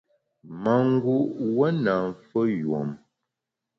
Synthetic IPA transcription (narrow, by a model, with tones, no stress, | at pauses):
ma˨ŋ˦ɡu˦ʔwə˦na˨ɱ˨fə˦jwɔ̰˨m